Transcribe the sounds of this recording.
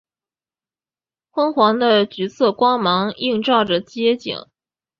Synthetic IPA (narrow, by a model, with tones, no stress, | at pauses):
xwə˥nxwɑ˧˥ŋd̪ə˧t͡ɕy˧˥t͡sʰɤ˥˩kwɑ˥ŋmɑ˧˥ŋi˥˧ŋʈ͡ʂɑ˥˩ʊʈ͡ʂə˩t͡ɕjɛ˥t͡ɕḭ˨˩˦ŋ